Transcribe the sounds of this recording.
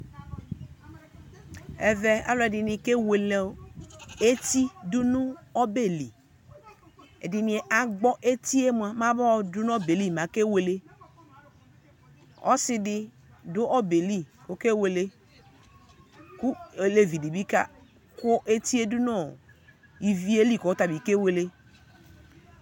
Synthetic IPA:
ɛ˨vɛ˨a̰˦lɔ˦˨dɪ˨nĩ˨ke˦we˨le˨˦e˦t̪i˦dʊ˦nʊ̃˦ɔ˦be˦li˨ | ɛ̰˨dɪ˨nĩ˨ɛ˨ʔa˨ɡ͡bɔ˦ʔe˦t̪i˦e˦mũ˨a˨mã˦bɔ˦˨dʊ˦n˦ɔ˦be˨li˦˨mã˨ke˦we˨le˦ | ɔ̰˦sɪ˦dɪ˦ | dʊ˦ʔɔ˦be˨li˦ko˦ke˦we˨le˦ | ku˦˨le˨vi˨di˨bi˦ka˦ | ku˦ʔe˦t̪i˦e˦du˦nɔ̃˦˨ | i˨vi˦e˦li˦˨kɔ˨o˦t̪a˨bi˨ke˦we˨le˦

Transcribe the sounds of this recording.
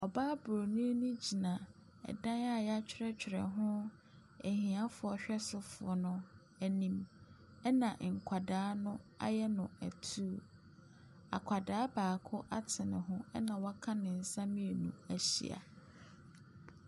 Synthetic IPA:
ɔ˨baː˦bɾo˨nĩ˦nũ˦d͡ʑi˨nã˨ | ɛ̰˨dã˦na˦˨ja˦t͡ɕʰᶣɪ˦ɾɛ˦t͡ɕᶣʰɪ˨ɾɛ̰˨ɦʊ̃˦ | æ˨hĩ˨ã˦fʊ˨ɔ˨ɕᶣɛ˦sʊ˨fʊ˨ɔ˨nʊ̃˦ | æ˨nĩ˦m | ɛ˦nã˨ʔŋ̩˨kʷʰa˨daː˨˦nʊ̃˦a̰˦jɛ˦nʊ̃˨æ̰˨tʰu˦ | a̰˨kʷʰa˨daː˨˦baː˨kʰʊ˦ʔa˦tʰɪ˨nɪ̰̃˨ɦʊ̃˦ɛ˦nã˨wɔ˦kʰã˦nɪ̃˨n̩˨sã˦mĩ˦e˨nṵ̃˨æ˨ɕḭ˨a̰˨

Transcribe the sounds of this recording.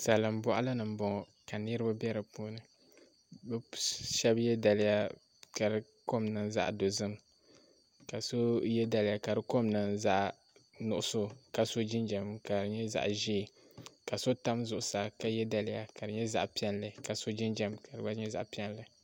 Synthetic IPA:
sa˨lɨ˨m˦bɔ˦ʔa˦la˦nɨ˨m̩˦bɔ˨ŋ˨ | ka˨nɨ˦ɾɨ˦ba˦bɛ˦ɾɨ˨puː˦nɨ˨ | bɛ˦ʃɛ˦bjɛ˦da˨lɪ˦ja˦ | ka˨ɾɨ˦ | ko˦mnɨ˨nza̰˦ʔdo˨zɨ˦m | ka˨so˦jɛ˦da˨lɪ˦ja˨ka˨ɾɨ˦ko˦mnɨ˨nza˦ʔ | nʊ˨ʔʊ˦so˦ka˨so˦d͡ʒɪ˦nd͡ʒɛ˨mka˨ɾɨ˨ɲɛ˦za̰˨ʔʒi˦˨ | ka˨so˦ta˦mzʊ˨ʔʊ˨˦sa˨ka˦jɛ˦da˦lɪ˦ja˨ka˨ɾɨ˨ɲɛ˦za̰˦ʔpi˦ɛ˦nlɨ˨ka˨so˦d͡ʒi˦nd͡ʒɛ˦mka˨ɾɨ˨ba˦ɲɛ˦za̰˨ʔpi˦ɛ˦n˦lɨ˨

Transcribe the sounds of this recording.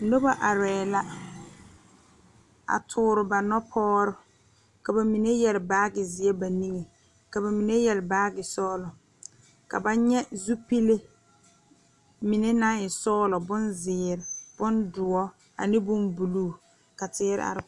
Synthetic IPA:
no˦ba˦ʔa˨ɾɛː˨la˦ | a̰˨tʰʊː˦ɾɪ˨ba˨nɔ˦pʰɔː˦ɾʊ˦ | ka˨ba˨mi˨ne˦jɛ˨lɪ˨baː˦ɡɪ˨zɪ˨ɛ˦ba˨ni˦ŋe˨ | ka˨ba˨mi˨ne˦jɛ˨lbaː˦ɡɪ˨sɔː˦lɔ˨ | ka̰˨ba˦ɲɛ˦zu˦pi˦le˦ | mɪ˨ne˦na˦ɪ˨sɔː˦lɔ˨bʊ˦nzɪː˨ɾɪ˨b̥ʊ˦ndʊ˨ɔ˦ | a̰˨nɪ˦bʊ˦mbu˨luː˦˨ | ka˨tɪ˦ɾɪ̰˦a̰˨ɾɪ˦

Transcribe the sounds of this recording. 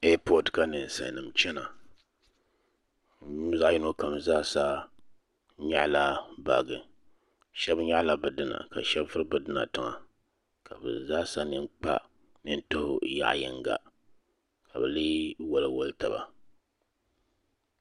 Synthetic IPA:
ɛ˦pɔ˦dka˦nɨ˨sa̰˨nɨ˨mt͡ʃɛ˦na˨˦ | za˦ji˦no˦ka˨m˨zaː˦sa˦ | ɲa̰˦ʔla˦ba̰˨ɡɨ˨ | ʃɛ˦bɲa˦ʔla˨bɨ˨dɨ˦na̰˨ka̰˨ʃɛ˦bfɨ˦ɾɨ˦bɨ˦dɨ˦na̰˨tɨ˨ŋa̰˨ | ka˨bɨ̰˨zaː˦sa˦nɨ˦nk͡pa̰˦ | nɨ˦n̩˦tʊ˦hʊ̰˨ja̰˦ʔjɪ̰˨ŋɡa̰˨ | ka˨bɨ˨lɨ˦wɔ˦lɨ˦wo˦lta˨ba̰˨

